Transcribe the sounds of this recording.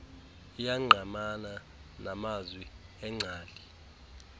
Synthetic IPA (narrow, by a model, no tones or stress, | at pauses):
ijaŋ͡ǀʱamana | namazwiɛŋ͡ǀʱaːldʼʱi